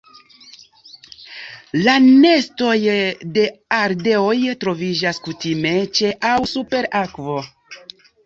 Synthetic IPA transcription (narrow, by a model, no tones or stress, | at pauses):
lane̞sto̞jde̞aɾde̞o̞jtɾo̞vid͡ʒaskutime̞t͡ʃe̞ʔawsupe̞ɾakvo̞